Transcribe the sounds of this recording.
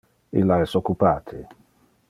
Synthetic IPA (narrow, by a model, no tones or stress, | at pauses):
ḭlːaɛsokːupaːt̪ʰi